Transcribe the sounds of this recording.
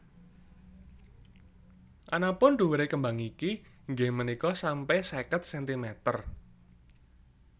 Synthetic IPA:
ʔanapʊnɖ̪uwɾekəmbaŋiki | ŋɡemənikɔsampɛsɛkət̪̚sɛnt̪imɛt̪ər

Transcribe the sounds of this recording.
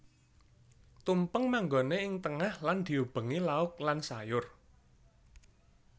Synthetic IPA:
t̪umpəŋmaŋɡoneɪŋt̪əŋahland̪̥i̤ub̥ə̤ŋilaʊk̚lansajʊr

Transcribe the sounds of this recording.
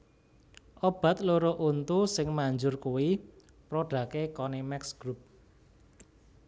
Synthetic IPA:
ʔob̥ä̤t̪̚loɾoʔunt̪usɪŋmaɲd͡ʒʊrkuwi | pɾoɖ̥ä̤kekɔnemɛksɡ̥ɾup̚

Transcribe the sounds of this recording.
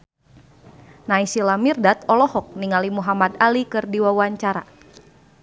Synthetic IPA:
naisilamirdat̪ɔlɔhɔk̚niŋalimuɦamad̪alikɨrdiwawaɲt͡ʃaɾa̰

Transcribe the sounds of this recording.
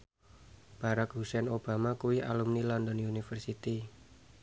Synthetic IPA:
b̥a̤ɾak̚ɦusɛnob̥a̤makuwiʔa̰lumnilɔnd̪ɔnunifərsit̪i

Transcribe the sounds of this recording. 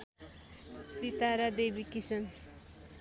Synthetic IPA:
sit̪aɾad̪ebikisʌn

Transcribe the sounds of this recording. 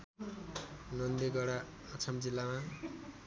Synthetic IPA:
nʌnd̪eɡʌɽa | ʌt͡sʰʌmd͡zilːama

